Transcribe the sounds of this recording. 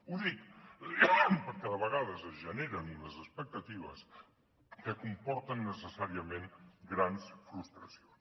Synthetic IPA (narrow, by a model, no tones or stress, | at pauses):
uzðik | pəɾkɛðəβəɣaðəsəzʒəneɾəniləzəspək̚t̪ət̪iβ̞ə̰s | kəkumpɔɾt̪ənːəsəsaɾiəmenɡɾansfɾust̪ɾəsions